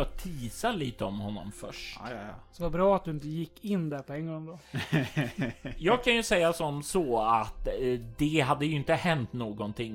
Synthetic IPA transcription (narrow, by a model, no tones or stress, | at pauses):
t̪ʰiːsaliːt̪əɔmhɔnːɔ̰mfœ̰ʂtsɛvabɾɑːat̪̚d̪ɵɪnt̪əjɪkːɪnːd̪æɾpʰɔɛŋːɡɔŋd̪ɔ | jɑːɡ̚kʰanjɵsɛjːasɔmsɔat̪d̪ɛɦad̪ːəjɵɪnt̪əhɛnt̪noːɡɔnt̪ʰɪŋː